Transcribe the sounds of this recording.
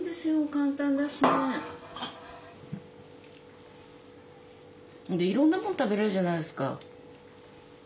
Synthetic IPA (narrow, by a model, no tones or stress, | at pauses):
ɡ̪esẽokãnt̪ãnd̪aɕine | d̪eiɾõ̞nːamont̪abe̞ɾeɾɯʑanaid̪esɨ̥ka̰